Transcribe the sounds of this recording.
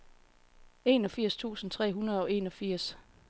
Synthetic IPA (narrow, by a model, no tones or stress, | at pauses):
e̝ːnɒ̽fiɐ̰st͡sʰṵːsn̩t͡sʰʁɛ̰ːɦunɐð̞̩ˠɒ̽e̝̰ːnɒ̽fiɐ̰s